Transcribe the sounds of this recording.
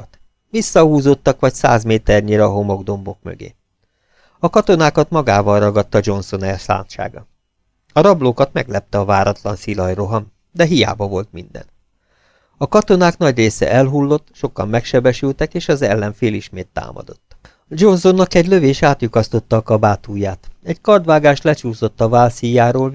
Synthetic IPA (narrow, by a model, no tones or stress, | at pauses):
t̪ | ʋisːɒhuːzo̞t̪ːɒkʋɒcsa̰ːzmeːt̪ɛrɲiɾɛːɦo̞mo̞ɡd̪o̞mbo̞kmø̰ɡḛː | ɒkɒt̪o̞naːkɒt̪mɒɡaːvɒlrɒɡɒt̪ːɒd͡ʒo̞nso̞nɛrsa̰ːnt̪ʃa̰ːɡɒ | ɒɾɒbloːkɒt̪mɛɡlɛp̚t̪ɛɒvaːɾɒt̪lɒnsilɒjro̞ɦɒm | d̪ɛɦija̰ːbɒvo̞lt̪mind̪ɛ̰n | ɒkɒt̪o̞naːkn̪ɒɟreːsɛ̰ʔɛlɦulːo̞t̪ːʃo̞kɒ̰mːɛkʃɛbɛʃylt̪ɛkeːʃɒzɛlːɛnfeːliʃmeːt̪ːa̰ːmɒ̰d̪o̞t̪ː | d͡ʒo̞nsonːɒkɛɟløveːʃaːt̪jukɒst̪o̞t̪ːɒːkɒbaːt̪uːjaːt̪ɛɟkɒrd̪ʋaːɡaːʃt̪lɛt͡ʃuːso̞t̪ːɒvaːlsijaːɾoːl